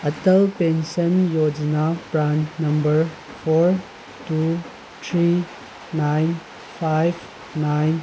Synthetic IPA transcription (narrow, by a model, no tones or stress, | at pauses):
ɐtɐlpensɐnjod͡ʒinapɾannɐmbəɾ | pʰoɾ | tu | tʰɾi | najn | pʰajb | najn